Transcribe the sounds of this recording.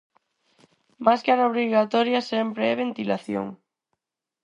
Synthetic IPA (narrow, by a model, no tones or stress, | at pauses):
maskaɾaoβɾiɣat̪ɔɾjasɛmpɾeɛβent̪ilaθjo̰ŋ